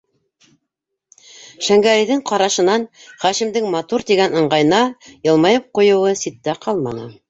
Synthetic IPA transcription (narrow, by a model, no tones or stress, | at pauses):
ʃæŋɡæɾiðɘŋqɑɾɑʃɤ̆nɑnχæʃimd̪ɘŋmɑt̪uɾt̪iɡænɤ̆ɴɢɑjnɑjɤ̆lˠmɑjɤp̚qujɤ̆wɤsit̪ːæqʰɑlˠmɑnɤ̰